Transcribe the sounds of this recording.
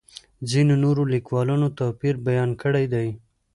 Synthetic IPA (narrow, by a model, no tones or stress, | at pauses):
zinonoɾolikwɑlɑnot̪apiɾbajɑnkəɽajd̪aj